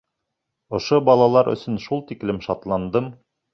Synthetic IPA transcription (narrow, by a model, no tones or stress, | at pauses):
ŏʃobɑlˠɑlˠɑɾʔɵ̰̆sɵnʃulˠt̪iklɘmʃɑt̪lˠɑnd̪ɤm